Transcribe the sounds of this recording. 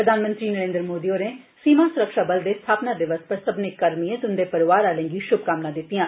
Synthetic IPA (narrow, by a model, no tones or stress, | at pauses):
ɾəd̪ʱaːnmə̃nt̪ɾiːnəɾẽːnd̪əɾmoːd̪ioːneː | siːmaːsʊɾəkʃaːbəld̪eːsst̪ʰaːpnaːd̪ɪʋəspəɾsəbnɪkːəɾmiẽːt̪ʊnd̪eːpəɾʋaːɾaːlɛ̃ŋɡiːʃʊb̚kaːmnãːd̪ɪt̪ːijãː